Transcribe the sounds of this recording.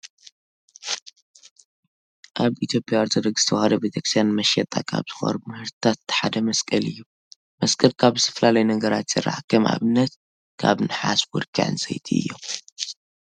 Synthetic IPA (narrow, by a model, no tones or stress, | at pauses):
ʔaβit̪ʰjo̞pʼjawɐɾt̪ʰod̪ɐɡz̥ɨt̪ʰɐwhɐd̪ɐbɨt̪ʰeksijanmɐʃɛt̪ʼakʰa̰βz̥ɨxɐ̰ɾumɨhɨɾt̪ʰat̪ħad̪ɐmɐskʼɐlɨjːu | mɐskʼɐlkʰaβɨt̪ʰɐ̥flalajnɐɡɐɾat̪z̥ɨ̰ra̰ʕakʰɐmʔa̰βɨnːɐt̪ | kʰa̰βnɨħasbuɾkʰiʕɨ̰nsɐ̰jt̪ʰḭɨ̰jːo̰m